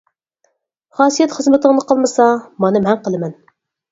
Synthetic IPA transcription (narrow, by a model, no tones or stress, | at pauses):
χɑːsijɛt̪χəzmɨt̪əŋnɨqəlˠmɨsɑmɑnɨmɛnqəlˠɨmɛn